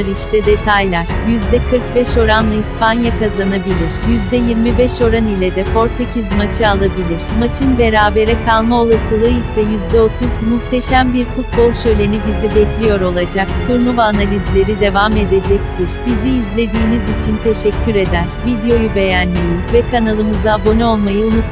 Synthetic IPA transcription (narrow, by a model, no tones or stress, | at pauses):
aɾiʃt̪ʰɛd̪e̞t̪ʰajlʲæɾ̥jyzd̪ɛkʰɯɾk̚bɛʃo̞ɾanlˠaispanjakazanabilʲiɾ̥jyzd̪ɛjiɾmibɛʃo̞ɾanilʲɛd̪ɛfo̞ɾt̪ʰacʰizmat͡ʃʰɯalˠabilʲiɾ̥mat͡ʃʰɯnbe̞ɾaːbe̞ɾɛkʰalˠmao̞lˠasɯlˠɯisɛjyzd̪ɛo̞t̪ʰuzmuxt̪ʰe̞ʃæmbiɾfut̪̚bo̞lˠʃø̞jlʲe̞nibizibɛclʲijo̞ɾo̞lˠad͡ʒakt̪ʰuɾnuvanalʲizlʲe̞ɾid̪e̞vame̞d̪e̞d͡ʒɛc̚t̪ʰiɾ̥biziːzlʲe̞d̪iːmizit͡ʃʰint̪ʰe̞ʃɛcʰʲːyɾe̞d̪æɾ̥vid̪ejo̞jube̞jænːʲijivɛkʰanalˠɯmɯzabo̞nɛo̞lˠmajɯunutt̪